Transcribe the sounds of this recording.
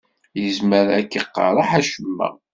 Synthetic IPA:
jəzməɾækːiqːɑ̰ɾˤɑħæʃəmːæ̰

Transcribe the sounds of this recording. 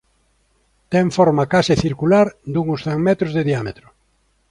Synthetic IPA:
t̪ɛɱfɔɾmakasɪθiɾkulaɾd̪uŋʊsθɛŋmɛt̪ɾʊzðeðiamet̪ɾʊ

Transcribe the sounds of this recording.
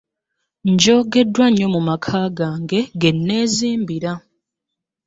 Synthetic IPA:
ɲɟo̞ːɡe̞dːwaɲːo̞mumakʰaːɡaːŋɡe̞ɡe̞nːe̞ːziːmbiɾa

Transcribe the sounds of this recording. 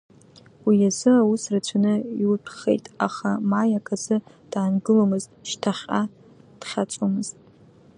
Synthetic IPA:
wijazɨawusrat͡ɕʷʰanɨiwpʰχḛjtʼa̰χamajakʰazɨ | d̥aːnɡɨlomɨztʼʃtʰaχʲa | d̥χʲat͡sʷʼomɨztʼ

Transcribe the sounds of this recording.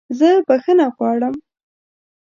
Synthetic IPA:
zəbaxənaɣwɑɽəm

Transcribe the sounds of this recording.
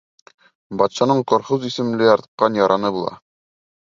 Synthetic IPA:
bɒt̪ɕɑnɤɴqŏɾχuzisɘ̆mlɘjɒɾt̪̆q̚qːɑnjɒɾʔɑnɤbulˠɑ̰

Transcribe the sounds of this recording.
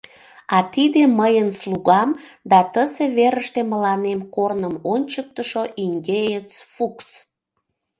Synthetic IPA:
ɑt̪id̪eməjənsluɣɑmd̪ɑt̪əseβeɾəʃt̪eməlɑnemkornəmonʲt͡ɕək̚t̪əʃoʔiŋɡʲejet͡sfuks

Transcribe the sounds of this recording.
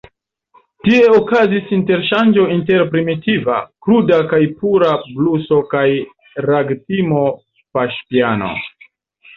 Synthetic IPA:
tie̞okazisinte̞ɾʃand͡ʒo̞inte̞ɾpɾimitiva̰kɾudakajpuɾabluso̞kaj | ɾaɡtimo̞ | paʃpiano̞̰

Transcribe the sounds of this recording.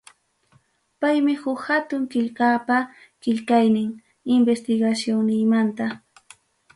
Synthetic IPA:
pajmɪhʊkhat̪ʊŋkɪʎkapa | kɪʎkajnɪŋ | ɪmbest̪ɪɡasjoŋnɪjmant̪a

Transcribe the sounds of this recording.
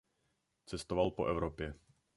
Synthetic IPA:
t͡sɛst̪ɔvalpɔʔɛʊɾɔpjɛ

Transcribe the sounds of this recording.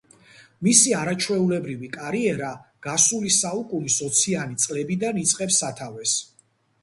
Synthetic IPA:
misiaɾat͡ʃʰwɛulɛbɾivikʼaɾiɛɾaɡ̥asulisaukʼunisɔt̪sʰianit̪sʼlɛbid̪anit̪sʼqʼɛpsat̪ʰavɛs

